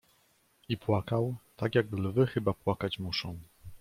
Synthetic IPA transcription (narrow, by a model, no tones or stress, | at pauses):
ipwakawt̪akjaɡlvɘxɘbapwakat͡ɕmuʂɔ̃w̃